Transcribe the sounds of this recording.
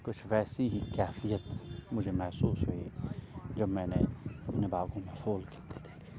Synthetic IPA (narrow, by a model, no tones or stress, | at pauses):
kʊt͡ʃʰʋɛːsiɦikɛːfijət̪mʊd͡ʒʱemɛɦsuːsɦoid͡ʒɐbmɛ̃ːneɐpnebaːɡõmẽfoːlket̪et̪ʰe̥